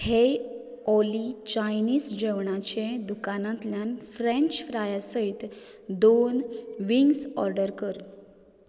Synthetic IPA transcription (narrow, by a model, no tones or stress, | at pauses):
he | ɔlit͡ɕajniːsd͡ʑəʋɳat͡ɕẽd̪ukanãt̪ljanfɾẽɲt͡ɕfɾajasəit̪d̪onʋiŋɡsɔɾɖəɾkəɾ